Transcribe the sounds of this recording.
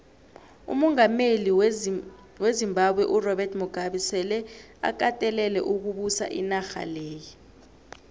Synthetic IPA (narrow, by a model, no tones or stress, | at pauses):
ṵmɔŋameli | wezimbʱaɓwɛʔurɔbɛrtʰmuɡ̥ʱaɓisɛlɛ | a̰k̬atʼɛlɛlɛʔuk̬uɓusa̰ʔinaxa̰leːji